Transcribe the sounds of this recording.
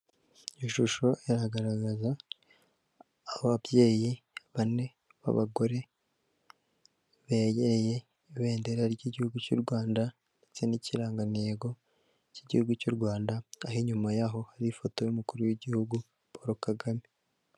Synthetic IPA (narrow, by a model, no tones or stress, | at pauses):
iʃuʃo̞ʔeɾaɡaɾaɡaza | βabje̞ːji | βane̞ | βa̰βaɡo̞ɾe̞ | βejeɾe̞je̞ | iβe̞ːndeɾaɾɟiɟihuɡucṵɾɡwaːnda | nde̞t͡se̞niciɾaːŋɡaneeːɡo̞ | ciɟihuɡucuɾɡwaːndaahiɲumajaɦo̞haɾifo̞to̞jumukuɾujiɟihuɡu | pʰoɾokaɡami